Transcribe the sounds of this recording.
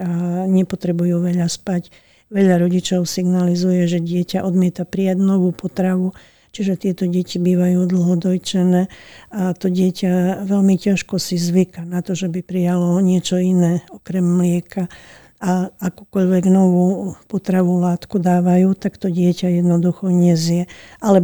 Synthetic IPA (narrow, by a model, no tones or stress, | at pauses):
ɲɛpɔt̪ɾɛbujuːʋɛʎaspac | ʋɛʎaɾɔɟit͡ʃɔʊsiɡnalizujɛʒɛɟɪɛcaʔɔd̪mɪɛt̪apɾijaɟnɔʋuːpɔt̪ɾaʋu | t͡ʃiʒɛt̪ɪɛt̪ɔɟɛcibiːʋajuːd̪l̩ˠɦɔd̪ɔjt͡ʃɛnɛːat̪ɔɟɪɛcaʋɛʎmicaʃkɔsizʋikanat̪ɔʒɛbipɾijalɔɲɪɛt͡ʃɔinɛːɔkɾɛmːlɪɛka | aakuːkɔʎʋɛɡnɔʋuːpɔt̪ɾaʋulaːt̪kud̪aːʋajuːt̪akt̪ɔɟɪɛcajɛd̪nɔd̪uxɔɲɛzɪjɛʔalɛ